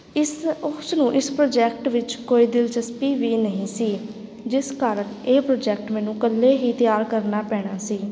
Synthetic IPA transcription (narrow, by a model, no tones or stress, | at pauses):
ɪʊsnũːʔɪspɾoːd͡ʒɛːk̚ʈʋɪt͡ʃkoːiːd̪ɪlt͡ʃəspiːʋiːnəɦĩːsiː | d͡ʒɪskaːɾəɳeːpɾoːd͡ʒɛːk̚ʈmɛ̃ːnũːkəlːeːɦiːt̪ɪjaːɾkəɾnaːpɛːɽ̃aːsiː